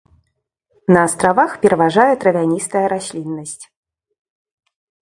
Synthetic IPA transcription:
nɐːst̪ɾavaxpʲɛɾɐvaʐajɛt̪ɾɐvʲanʲist̪ɐjɐɾasʲlʲinːɐsʲt͡sʲ

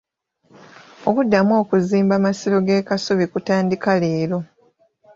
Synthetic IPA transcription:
okudːamo̞ːkuziːmbamasilo̞ɡe̞ːkasoβikutaːndikale̞ːɾo̞

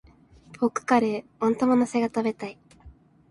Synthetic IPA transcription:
pʰokɯ̟̥kaɾeõnt̪omonose̞ɡat̪abe̞t̪ai

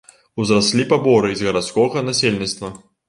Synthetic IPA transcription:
uzɾasʲlʲipabɔɾɨizɣɐɾat̪skɔɣɐnasʲelʲnʲit̪st̪vɐ

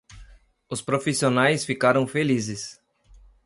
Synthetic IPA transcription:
ʊspɾofisionajsfikaɾɐ̃w̃felizɪs

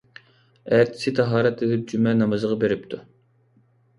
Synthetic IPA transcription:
æɾt̪ʰɪ̥sɪt̪ʰɑɦɑːɾɛt̪ed̪ɪp̚d͡ʒymɛnɑmɨzəʁɑbeɾɪp̚t̪ʰu

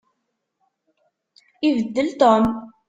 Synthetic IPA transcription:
ivəd̪ːəlt̪om

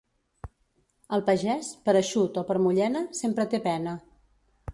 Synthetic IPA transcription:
əlˠpəʒɛspəɾəʃut̪ɔpəɾmuʎɛnəsempɾət̪epɛnə

